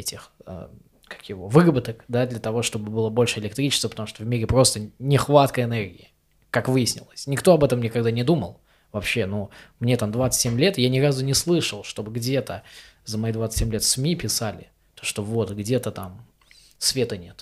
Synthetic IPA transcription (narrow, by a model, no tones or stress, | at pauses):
ɛtʲɪxə̰ | kḁkjɪvovɨrəbɨt̪əkd̪ad̪lʲət̪ɐvo̞ʂt̪o̞bɨbɨlˠəbo̞lʲʂɨɪlʲɪk̚t̪ɾʲit͡ɕɪst̪vəpət̪ɐmuʂt̪ovmʲiɾʲɪpɾo̞st̪ənʲɪxvat̪kəɪnerɡʲɪɪ | kakvɨjɪsʲnʲɪ̰lˠəsʲnʲɪkt̪o̞ɐbɛt̪əmnʲɪkaɡd̪anʲɪd̪umə̰lˠ | vɐpɕːe̞numnʲe̞t̪amd̪vat̪sɨ̥tʲsʲemʲlʲe̞t̪ɨjanʲɪɾazʊnʲɪslˠɨʂəlˠʂt̪o̞bɨɡdʲe̞t̪əzəmɐid̪vat̪sɨ̥tʲsemlʲet̪sʲmʲipʲɪsalʲɪ̰ | t̪oʂt̪ovo̞t̪ɡdʲe̞t̪ət̪am | svʲet̪ənʲe̞t̪